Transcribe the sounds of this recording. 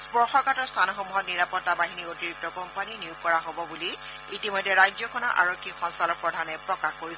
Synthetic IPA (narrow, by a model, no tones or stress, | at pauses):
spɔɹxɔkatɔɹstʰanɔxomuɦɔtniɹapɔtːabaɦiniotiɹik̚tɔkɔmpaniniuk̚kːɔɹaɦobɔbuli | itimɔjdʱːɛɹajzɔkʰɔnɔʔa̰ɹokʰːikxɔnsalɔk̚pɹɔdʱanɛpɹɔkaxkoɹis